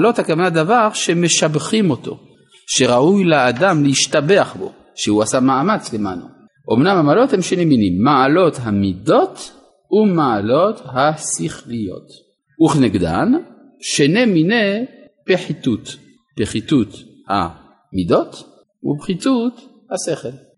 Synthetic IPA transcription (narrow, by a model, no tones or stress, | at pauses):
lo̞t̪hakavanad̪avaʁʃemeʃabχimo̞t̪o̞̰ | ʃeʁaʔujleːdamlehiʃtabe̞aχbo̞̰ | ʃehuasamaːmat͡slema̰nṵ | ʔomnamhamaalo̞t̪hemʃenemːinimːaalo̞t̪ɦamido̞t | umaalo̞t̪hasiχlijo̞̰t̪ | uχneɡd̪a̰n | ʃenemine | peħit̪ut | peχitut̪ha̰ | mido̞t̪ | ṵbχitut | haseχel